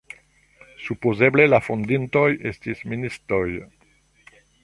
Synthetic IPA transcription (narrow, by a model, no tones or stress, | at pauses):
supozeblelafõnd̪int̪ɔjest̪isminist̪oj